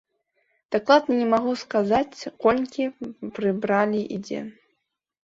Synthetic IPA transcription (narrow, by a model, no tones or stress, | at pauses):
d̪̥aklˠad̪nɐnʲɛmaɣuskazat͡sʲkɔlʲkʲipɾɨbɾalʲiʔḭd͡zʲɛ̰